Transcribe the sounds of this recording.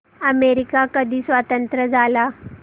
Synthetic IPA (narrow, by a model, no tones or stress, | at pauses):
əmeɾikakəd̪ʱiːsʋat̪ənt̪ɾəd͡zʱala